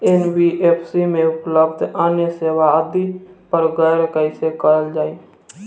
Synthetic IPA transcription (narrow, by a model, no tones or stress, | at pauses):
enbiʔeːpʰsimẽʊpləb̚d̪ʱaːnjəseːwaəd̪ipəɾɡəjɾkəɪsekəɾəld͡ʒaːeː